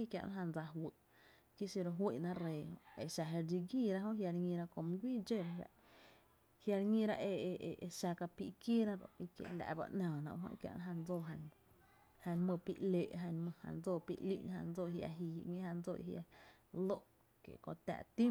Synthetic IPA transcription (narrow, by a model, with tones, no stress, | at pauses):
i˦kʲja̰˧ʔa̰˦ɦã˧˨nd͡za˧ɦwə˨ʔ | ki˦si˧ɾo˧ɦwi˧˨nã˦ʔɾeː˨hõ˧e˨ʃa˧ɦe˧ɾd͡ʒi˧ɡiː˦˨ɾa˧˦ɦõ˦ʔɦja˧ɾŋĩ˧ɾa˧kõ˧˨mũ˧ɡʷiː˦d͡ʒe˦˨ɾɾa̰˧ʔ | hja˧ɾŋĩ˧ɾa˧ʔe˧˨˧e˧ʃa˧ka˧pi˧ʔke˦ɾã˦d̪o˨i˧kjḛ˧˨la̰˨ba̰˧ʔnãː˨nã̰˨ɦõ̰˦˧kja̰˧ʔnã˦ɦã˧nd͡zoː˦˧˨ɦã˧n | hã˧nmə̃˧˨pḭ˦˨ʔleː˨ʔɦã˧nmə̃˧hã̰˧nd͡zoː˦˧˨pḭ˧ʔlḭ˦˨ʔnhã̰˧nd͡zo˦ʔhja̰˧˨ɦi˧˨˧ŋĩ˦hã˧nd͡zo˦˨ʔḭ˧hja̰˧ | lo˦˨ʔ | kḛ˨kõ̰˧t̪a̰˧˨ʔt̪ĩ˦